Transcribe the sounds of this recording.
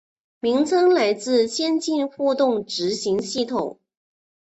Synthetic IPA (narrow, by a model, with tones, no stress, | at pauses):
mi˧˥ŋt͡sʰɤ˥ŋla˧˥ɪt͡sɹ̩˥˧ɕjɛ˥nt͡ɕi˥˧nxu˥˧t̪ʊ˥˩ŋʈ͡ʂɻ̩˧˥ɕi˧˥ŋɕi˥˩t̪ʰʊ̰˨˩˦ŋ